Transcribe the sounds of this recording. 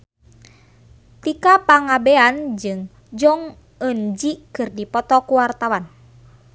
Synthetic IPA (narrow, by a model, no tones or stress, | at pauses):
t̪ikapaŋabɛand͡ʒɨŋ | d͡ʒɔŋ | ənd͡ʒikɨrdipɔt̪ɔkuwart̪awan